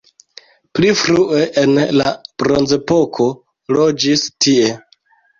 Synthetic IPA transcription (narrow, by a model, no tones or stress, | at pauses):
plifɾue̞ʔenlab̥ɾo̞nze̞po̞kʰo̞ | lo̞d͡ʒistie̞